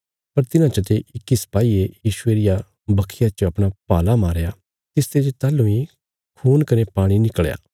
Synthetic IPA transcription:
pɐɾt̪ɪnãt͡ʃət̪eʔɪkːisɐ̥paːiːejiːʃʊeːɾɪja | bɐkʰːɪjat͡ʃəɐpɽ̃apaːlamaːɾjaː | t̪ɪst̪ed͡ʒet̪aːlũĩ | kʰuːnkɐnepaːɽ̃inɪkəɭja̰ː

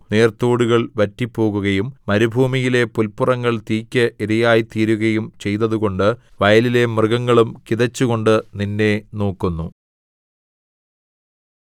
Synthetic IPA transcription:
ne̞ːrt̪oːɽuɣɐɭʋɐtːipːo̞ːɣuɣɐjumːɐɾubʱuːmijile̞pulpurɐŋːɐɭt̪iːkʲːɐʔiɾɐjaːjit̪iːɾuɣɐjumt͡ɕe̞jt̪ɐðuɣo̞ɳɖɨʋɐjɐlile̞mrɨɣɐŋːɐɭumkiðɐt͡ɕːuɣo̞ɳɖɨninːe̞no̞ːkːunːu

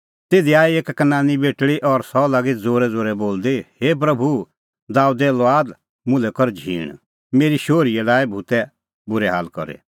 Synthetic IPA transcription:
t̪eːd̪iaːieːkkənãːnibeːʈɭiʔɔɾsɔlaːɡid͡zoːɾɛd͡zoːɾɛboːld̪eheːp̬ɾɐbʱu | d̪aːud̪ɛlaːd̪ | mʊ̃lɛkɔɾd͡ʒʱḭːɽ̃ | meːɾiʃoːɾiɛlaːibʱut̪ɛ | bʊɾɛɦa̰ːlkɔ̰ɾḛ

